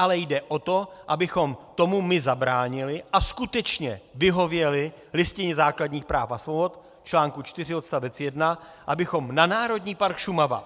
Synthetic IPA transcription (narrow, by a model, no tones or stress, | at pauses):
ʔalɛjdɛʔo̞t̪o̞ʔabɪxo̞mt̪o̞mumɪzabɾaːɲɪlɪʔaskut̪ɛt͡ʃɲɛvɪɦo̞vjɛlɪ | lɪscɪɲɛzaːkladɲiːxpɾaːfasvobo̞t̪ | t͡ʃlaːŋkut͡ʃt̪ɪr̝ɪot̪st̪avɛt͡sjɛdna | ʔabɪxo̞mnanaːɾo̞dɲiːpaɾkʃumava̰